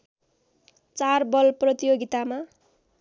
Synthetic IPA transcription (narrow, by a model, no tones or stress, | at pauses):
t͡sarbʌlprʌt̪ijoɡit̪ama